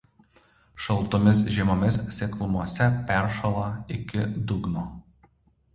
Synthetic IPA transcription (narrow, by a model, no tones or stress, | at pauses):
ʃɐlˠˑt̪ɔmʲɪsʒʲiɛmoːmʲɪssʲeklˠʊmuɔsʲɛpʲɛˑɾʃɐlˠɐɪkʲɪd̪ʊɡnoː